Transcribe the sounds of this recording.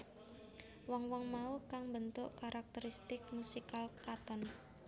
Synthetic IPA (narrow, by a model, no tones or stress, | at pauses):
wɔŋwɔŋmaukaŋbənt̪ʊʔkaɾʔak̚t̪əɾist̪ɪk̚musikalkat̪ɔn